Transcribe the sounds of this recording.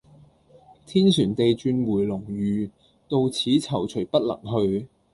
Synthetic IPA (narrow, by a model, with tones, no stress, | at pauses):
t̪ʰiː˥nsyː˨˩nt̪e˨jt͡ʃyː˧nwuː˨˩jlʊ˨˩ŋɥyː˨˧ | t̪o˧wt͡sʰiː˨˥t͡sʰɐ˨˩wt͡ʃʰɵ˨˩ɥpɐ˥t̚lɐ̰˨˩ŋɦɵ˧ɥ